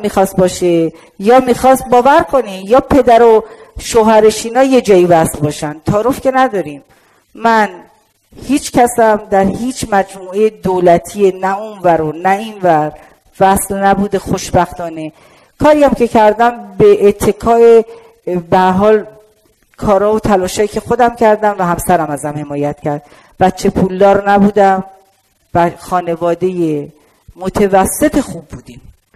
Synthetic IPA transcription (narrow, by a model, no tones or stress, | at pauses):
miːxɒːst̪̚bɒːʃe | jɒːmiːxɒːst̪̚bɒːvæɾkʰo̞niːmjɒːpʰe̞d̪æɾoʃoːɦæɾeʃiːnɒːje̞d͡ʒɒːiːvæslbɒːʃænt̪ʰɒːɾofcʰe̞næd̪ɒːɾiːmː | æn | hiːt͡ʃʰcʰæsæmd̪æɾhiːt͡ʃʰmæd͡ʒmuːejed̪oːlæt̪ʰienæunvæɾonæinvæɾ | væslnæbuːd̪e̞xo̞ʃbæxt̪ɒːne̞ | kʰɒːɾijæmce̞cʰæɾd̪æmbeʔːt̪ʰːe̞kʰɒːe | behæɾɦɒːl | kʰɒːɾɒːvot̪ʰælɒːʃhɒːjiːcʰe̞xo̞d̪æmcʰæɾd̪æmvæɦæmsæɾæmæzæmhe̞mɒːjæt̪cʰæɾd̪̥ | væt͡ʃʰːe̞pʰuːld̪ɒːɾnæbuːd̪æm | væxɒːne̞vɒːd̪e̞je | mot̪ʰevæsːe̞t̪ʰexuːb̚ːuːd̪iːm